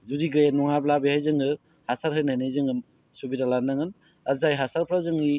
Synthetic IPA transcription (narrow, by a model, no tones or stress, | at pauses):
zuɾiɡɯjanɔŋablabehajzɯŋɯ | hasaɾɦɯjnajnɯjzɯŋɯn | subiɾalanːɯŋɯn | ɐɾzajɦasaɾpʰɾazɯŋni